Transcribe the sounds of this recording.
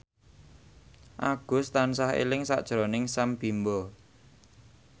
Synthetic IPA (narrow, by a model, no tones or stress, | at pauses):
ʔaɡ̥ʊ̤st̪ansahḛlɪŋsa̰ʔd̥ʒ̥ɾonɪŋsamb̥i̤mbɔ